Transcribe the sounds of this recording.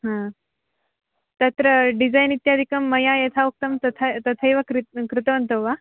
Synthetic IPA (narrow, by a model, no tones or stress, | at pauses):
ɦã | t̪at̪ɾəɖid͡zajnit̪jad̪ʱikəmːəjajet̪ʰauk̚t̪əmt̪ət̪ʰat̪ət̪ʰajʋakɾkɾut̪əʋənt̪əʋʋa